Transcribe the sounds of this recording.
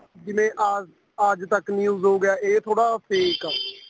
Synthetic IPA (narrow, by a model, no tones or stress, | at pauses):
d͡ʒɪʋẽːʔa | əd͡ʒt̪əknĩːʊzõːɡɪjaːʔeːt̪ʰoːɽaːpʰeːkaː